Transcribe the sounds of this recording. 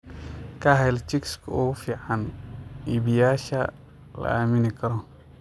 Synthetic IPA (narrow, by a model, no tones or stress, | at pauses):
kʰɐɦɛjlt͡ʃɪkskʰʊɣfiːʕaniːβɪjaːʃɐ | lɐ̰aːmɪnɪkʰɐɾɔ